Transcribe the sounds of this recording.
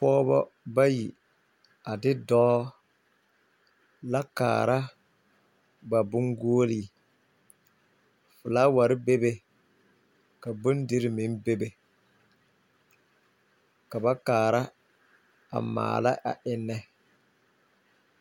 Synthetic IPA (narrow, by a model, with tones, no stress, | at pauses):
pɔː˦bɔ̰˦ba˦ji˨ | a˨dɪ˦dɔː˦ | la˦ka̰ː˨ɾa˦ | ba˨bʊ˦ŋɡoː˦li˦˨ | fʊ˨laː˦wa˨ɾɪ˦be˦be˦ | ka˨bʊ˦n˦dɪ˦ɾɪ˨mɪ˨˦n˦be˦be˨ | ka˨ba˦kaː˨ɾa˦ | a̰˨ma̰ː˨la̰˦ʔa̰˨ʔɪ˦nːɛ˦